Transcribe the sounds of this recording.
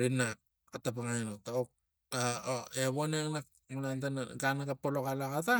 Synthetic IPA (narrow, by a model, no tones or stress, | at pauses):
ɾinak̚ | atapaŋajnotaok̚ | aeβoneŋnak | munantanɡanaɡapolokalakata